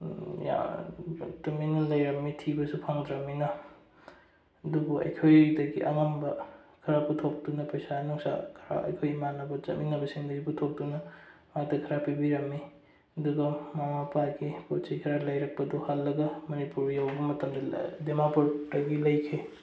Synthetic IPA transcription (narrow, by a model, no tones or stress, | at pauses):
ja̰ | tɐminɐlɐjɾɐmːitʰibɐsupʰaŋdɾɐmːinɐ | ɐdubuɐ̰jkʰojdɐɡḭʔɐŋɐmbɐkʰɐɾaputʰok̚dunɐpɐjsanuŋsa̰kʰɐɾa̰ɐ̰jkʰojmanɐbɐt͡ʃɐ̰t̚minɐbɐsiŋdɐɡiputʰok̚dunɐmatɐkʰɐɾapibiɾɐmːi | ɐduɡɐmamapaɡipot͡ʃijkʰɐɾalɐjɾɐk̚pɐduhalːɐɡɐmɐnipuɾjawbɐmɐtɐmdɐdemapodɐɡilɐjkʰe